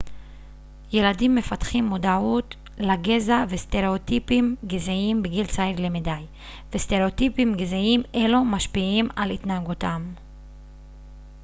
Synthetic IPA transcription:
je̞ladimːe̞fatχimːudaut | laɡe̞zaveste̞ʁe̞otipimɡezeimbeɡilt͡saivlemidaj | vesteʁeotipimɡezeimʔelomaʃpiimalit̪naaɡutam

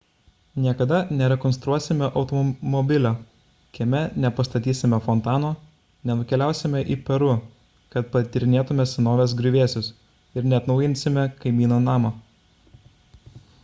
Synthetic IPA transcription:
nʲiɛkɐd̪ɐnʲɛɾʲɛkɔnst̪ɾuɔsʲɪmʲɛʔɒʊt̪ɔmɔbʲɪlʲoː | kʲɛmʲɛnʲɛpɐst̪ɐt̪ʲiːsʲɪmʲɛfɔnt̪ɑːnoː | nʲɛnʊkʲɛlʲæˑʊsʲɪmʲɛʔiːpʲɛɾʊ | kɐt̪̚pɐt̪ʲɪɾʲɪnʲeːt̪ʊmʲɛsʲɛnoːʋʲeːs̬ɡɾʲʊʋʲeːsʲʊs | ɪɾnʲɛɐt̪nɒʊjɪnʲsʲɪmʲɛkɐɪmʲiːnoːnɑːmo

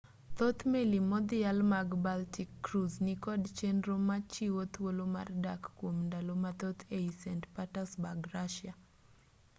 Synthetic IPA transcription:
t̪ot̪melimɔd̪ɪalmaɡbaltikːɾuznɪkɔdt͡ʃendɾomat͡ʃiwot̪woloma̰rdakːwomndalomat̪ot̪ʰeisɛntpatasbaɡɾaʃɪa

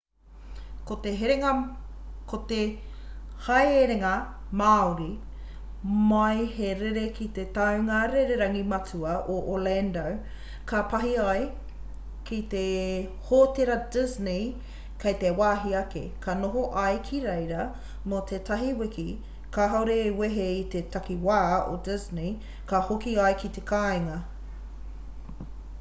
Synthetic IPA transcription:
kot̪eɦeɾe | kot̪e | hɐjeɾeŋɐ | maːoɾi | majheɾeɾekit̪et̪ɐwŋɐɾeɾeɾɐŋimɐt͡suɐʔoʔolɛndow | kɐpɐɦiaj | kit̪ehoːteɾɐdɪzni | kejt̪ewaːɦiɐkḛkʰɐnoɦoʔɐjkʰiɾejɾɐ | mot̪ʰetɐɦiwɪki | kaɦawɾeːweɦeit̪et̪ɐkiwaːo̰dɪzni | kɐhokiɐjkit̪ekaːeŋɐ

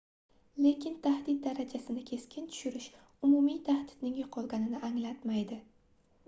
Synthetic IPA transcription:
le̞kʲʰɪnt̪ʰahd̪ɪt̪̚d̪aɾad͡ʒasɪnɪkʲʰe̞skʲʰɪnt̪ʰʊ̥ʃʊɾɪʃ | ʊmumijt̪ʰahd̪ɪ̥d̪nɪŋjoqʰɒlˠɡʲanɪnɪʔaŋlat̪majd̪ɪ

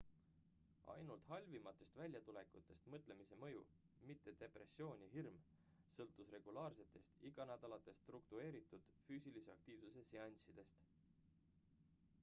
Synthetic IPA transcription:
ɑ̰jnult̪hɑlʲvimɑt̪ːˑe̞st̪vælʲjɑt̪ule̞kut̪ːˑe̞st̪mɤt̪ˑlemise̞mɤ̞jṵ | mit̪ːe̞d̪̥e̞pre̞sːio̞ːnʲiɦirm | sɤlt̪ːˑusre̞ɡ̥ulɑːrse̞t̪ːˑe̞st̪iɡ̥ɑnæd̪̥ɑlɑt̪ːˑe̞st̪rukt̪ue̞ːɾit̪ːˑud̪̥fyːsilise̞ɑk̚t̪iːvsuse̞seɑnʲsid̪̥e̞st̪

